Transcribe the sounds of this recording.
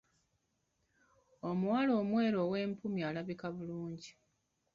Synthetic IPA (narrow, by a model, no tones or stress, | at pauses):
o̞muwalo̞ːmwe̞ːɾo̞ːwe̞ːmpumjialaβikaβuluːɲɟi